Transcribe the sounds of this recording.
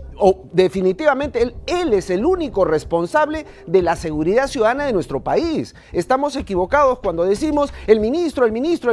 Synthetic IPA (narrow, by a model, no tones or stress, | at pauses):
o | d̪e̞finit̪iβament̪eeleseluniko̞re̞spo̞nsaβle̞ | ðe̞lase̞ɣuɾiðasjuðaðanaðenwe̞st̪ɾo̞pais | est̪amo̞se̞kiβo̞kað̞o̞skwand̪o̞ðesimo̞selmĩnist̪ɾoelmĩnist̪ɾo